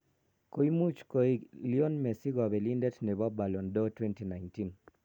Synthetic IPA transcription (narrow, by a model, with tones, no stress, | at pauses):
ko˦i˦mu˦t͡ʃko˦i˦liɔ˦nmɛ˨si˦ɡɔ˨bɛ˨li˦ndɛ˦tnɛ˨ba˦ba˨lɔ˨ndɔ˦twɛ˦nti˨na˨jnti˦n